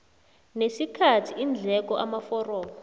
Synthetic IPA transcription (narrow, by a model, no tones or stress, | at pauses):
nesikʰatʰiind͡ɮʱɛk̬ɔʔamafɔrɔːɔ